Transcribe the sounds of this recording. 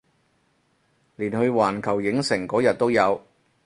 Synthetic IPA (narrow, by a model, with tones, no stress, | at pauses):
liː˨˩nhɵ˧ɥwaː˨˩nkʰɐ˨˩wjɪ˨˥ŋsɪ˨˩ŋkɔː˨˥jɐ˨t̚t̪o˥wjɐ˨˧w